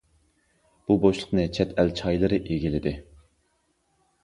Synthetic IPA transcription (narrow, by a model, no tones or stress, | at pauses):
b̥uboʃlˠə̥qnɨt͡ʃʰɛt̪ʰɛlt͡ʃʰɑjlˠɨɾɨʔeɡʲilɪd̪ɪ